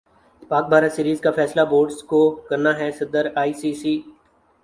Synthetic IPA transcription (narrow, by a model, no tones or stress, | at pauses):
paːk̚bʱaːɾat̪siːɾiːzkafɛːslaboːɾɖskokɐɾnaɦɛsɐd̪əɾaːiːsiːsiː